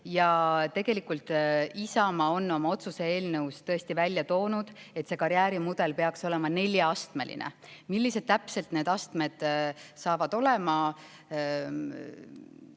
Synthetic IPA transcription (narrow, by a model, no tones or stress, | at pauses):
jɑt̪e̞ɡ̥e̞likult̪ˑisɑmɑo̞nːo̞mɑo̞t̪suse̞e̞ːlnɤwst̪ɤ̞e̞st̪ivælʲjɑt̪o̞ːnud̪̥et̪se̞kɑɾjæːɾimud̪̥e̞lpe̞ɑkso̞le̞mɑne̞lʲjɑɑst̪me̞lḭnḛ | milːise̞d̪̥̚t̪æpse̞lt̪ne̞ːd̪ɑst̪me̞d̪̥sɑːvɑd̪̥o̞le̞mɑ